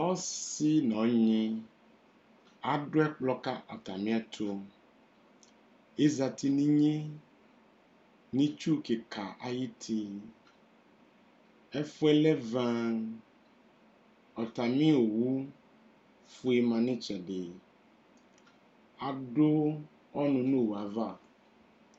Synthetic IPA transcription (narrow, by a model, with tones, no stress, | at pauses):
ɔ˦si˦nɔ̃˨˦ɲĩ˦ | a˨ɖo˦ɛ˦k͡plɔ˦ka˦ʔɔ˨t̪a˨mĩ˦a˦˨t̪ʰo˦ | e˦za˨t̪i˨nĩ˦ɲẽ˦ | nĩ˦t͡ʃu˦ke˨kʰa˨ʔa˨ji˦t̪ʰi˦ | ɛ˦fo˦ɛ˦lɛ˦vã˦ | ɔ˨t̪a˨mĩ˦o˨wu˦ | fu˦e˨mã˨nẽ˦t͡ʃɛ˨ɖe˨ | a˨ɖo˦ | ɔ˦nũ˨nõ˦˨wu˨a˨va˦˨